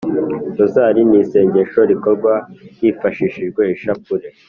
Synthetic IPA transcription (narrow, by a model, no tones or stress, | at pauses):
tozaɾinise̞ːɲɟe̞ʃo̞ɾiko̞ɾɡwajiːfaʃiʃiʒɡwe̞iʃakuɾe̞